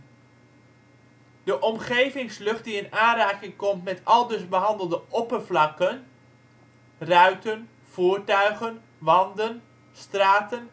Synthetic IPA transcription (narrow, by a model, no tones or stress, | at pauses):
d̥əʔɔmχejvɪŋslɵχt̚diənaːnraːkɪŋkɔmtmɛtɑlˠdɵsbəɦɑndəlˠdəʔɔpəɹvlɑkən | rœɥtən | v̥uːɹtœɥɣən | ʋɑndən | straːtən